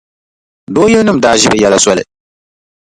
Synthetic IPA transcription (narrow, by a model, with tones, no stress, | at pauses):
doː˦jɛ˦nɨ˦m̩˨daː˨ʒɪ˦ɾɨ˨jɛ˨la˨sɔ˦lɨ̰˨